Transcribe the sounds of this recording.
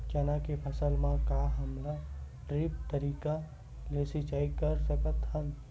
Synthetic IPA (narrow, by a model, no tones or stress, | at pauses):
t͡ʃanakepʰɐsəlmãkaɦɐmɾa | ʈɾɪp̚t̪əɾiːka | leːsit͡ʃaːikəɾsəkət̪ɦə̃n